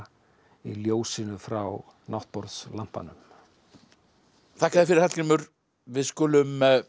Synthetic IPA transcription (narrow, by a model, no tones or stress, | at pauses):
iljoːwsɪnʏfɾaw | nawht̪̚pɔɾðslam̥pa̰nʏm | θʰahkaðɪfɪɾɪɾhat̪limʏɾ̥ | vɪðskʏːlʏm